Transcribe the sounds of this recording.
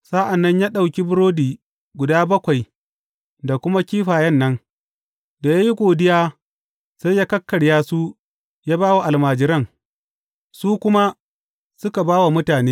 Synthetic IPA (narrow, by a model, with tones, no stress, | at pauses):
sa˦ʔa˨nːɐ˦ɲjaː˦ɗa˨wkʲi˦bʊ˦ɾoː˦diː˨ | ɡʷʊ˨daː˦bɐ˦kʷa˨j | da˨kʷʊ˦ma˦kʲiː˦ɸaː˨jɛ˦nːɐ˦n | da˨jaː˦ji˦ɡʷoː˨dɪ˦jaː˦ | sa˦jjaː˦kɐ˦kːɐ˨ɽjaː˦su˦ | jaː˦baː˦wa˨ʔa˨lmaː˨d͡ʒɪ˦ɾɐ˦ŋ | suː˦kʷʊ˦ma˦ | sʊ˦ka˨baː˦wa˨mʊ˦taː˨neː˦